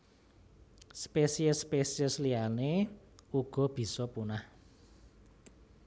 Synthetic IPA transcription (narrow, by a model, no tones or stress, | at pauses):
spesiəspesiəsliane | uɡ̥ɔ̤b̥i̤sɔpunah